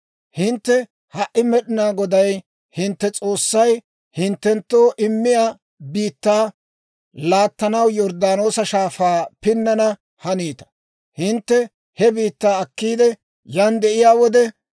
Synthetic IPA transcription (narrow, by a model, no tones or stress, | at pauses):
hɪnt̪ːɛ | hɐʔːɪmɛɗɪnaːɡɔd̪ɐj | hɪnt̪ːɛt͡sʼo̞ːsːɐj | hɪnt̪ːɛnt̪ːoːʔɪmːɪjaː | biːt̪ːaː | laːt̪ːɐnɐwjɔɾd̪aːno̞ːsɐʃaːfaːpɪnːɐnɐ | hɐniːt̪ɐ̥ | hɪnt̪ːɛ | hɛbiːt̪ːaːɐkːiːd̪ɛ | jand̪ɛʔɪjaːwɔd̪ɛ